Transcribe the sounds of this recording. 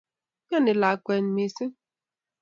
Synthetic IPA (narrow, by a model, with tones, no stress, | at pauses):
ɲa˦˨ne˨la˨kʷe˨n̩˨mi˨si˦